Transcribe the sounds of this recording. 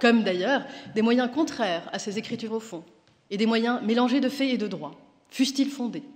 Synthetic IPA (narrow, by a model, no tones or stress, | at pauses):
kɔmd̪ajœːʁd̪emwajɛ̃kɔ̃t̪χɛʁa̰sezekχit̪yʁofɔ̃ | ed̪emwajɛ̃melɑ̃ʒed̪əfɛed̪əd̪ʁwa | fyst̪ilfɔ̃d̪e